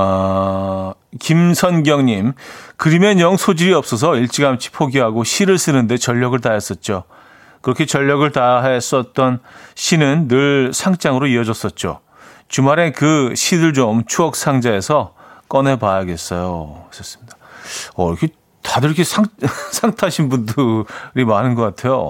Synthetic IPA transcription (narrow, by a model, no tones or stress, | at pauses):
a | kimsʰʌnɡjʌŋɲimkɯɾime̞ɲʌŋsʰod͡ʑiɾiʌp̚s͈ʌs̬ʰʌiɭt͡ɕ͈ʰiɡaɦamt͡ɕʰi̥pʰoɡiɦaɡoɕʰiɾɯɭs͈ɯnɯnde̞t͡ɕʌʎːʌɡɯɭtaɦes͈ʌt̚t͡ɕ͈o | kɯɾʌkʰet͡ɕʌʎːʌɡɯɭtaɦes͈ʌt̚t͈ʌnɕʰinɯnːɯɭsʰaŋt͡ɕ͈aŋɯɾoiʌd͡ʑʌs͈ʌt̚t͡ɕ͈o̰ | t͡ɕumaɾe̞kɯɕʰidɯɭd͡ʑomt͡ɕʰuʌk̚s͈ʰaŋd͡ʑae̞sʰʌ | k͈ʌne̞pajaɡe̞s͈ʌjos͈ʌs͈ɯmɲidaʌɾkʰe | tadɯɾkʰesʰaŋsʰaŋtʰaɕʰinbundɯɾimanɯnɡʌk͈atʰe̞jo̰